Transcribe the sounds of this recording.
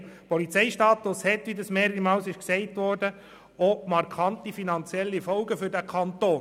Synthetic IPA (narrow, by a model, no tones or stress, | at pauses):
pɔlit͡sɛɪʃtɑːt̪ʊshɛtʋidɑsmeːɾəɾimɑːlsɪʃksɛɪtʋɔɾdə | omɑɾkʰɑntifinɑnt͡sjɛlːifɔlɡəfʏɾdækʰɑnt̪oː